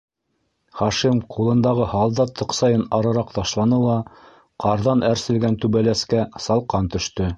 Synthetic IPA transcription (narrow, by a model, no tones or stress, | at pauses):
χɑʃimqʰulˠɤ̆nd̪ɑʁɤhɑlˠd̪ɑt̪ʰːɤ̆qsɑjɤnɑɾɤ̆ɾɑq̚t̪ɑʃlˠɑnɤlˠɑ | qɑɾðɑnʔæɾsɘ̆lɡænt̪ʉβælæskæsɑlˠqɑnt̪ɵ̆ʃt̪ɵ